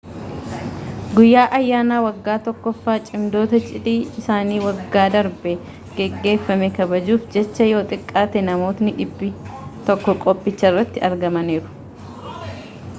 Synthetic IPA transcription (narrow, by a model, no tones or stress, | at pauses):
ɡʊjːaːʔɐjːaːnaːwɐɡːaːt̪ɔkːɔfːaːt͡ʃʼɪmd̪o̞ːt̪ɐt͡ʃʼɪᶑ̪iːɪsaːniːwɐɡːaːd̪ɐɾbɛ | ɡ̥ɛɡːe̞ːfːɐmɛkɐbɐd͡ʒuːfd͡ʒɛt͡ʃːɐjo̞ːt̪ʼɪkʼːaːt̪ɛnɐmoːt̪nɪᶑɪbːɪt̪ɔkːɔkʼɔpʼːɪt͡ʃːɐrːɐt̪ːɪɐɾɡɐmɐniːɾʊ̥